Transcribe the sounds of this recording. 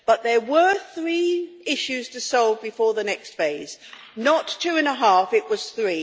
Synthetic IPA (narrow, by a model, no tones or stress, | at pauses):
b̥ʌt̪̚ðə˞wə˞θɹiɪʃʉz̥tʰɨsɔlˠvbɨfɔɹðənɛkstfeɪz̥ | nətʰʉɨ̃nəɦæfɨʔ̚wʌz̥θɹi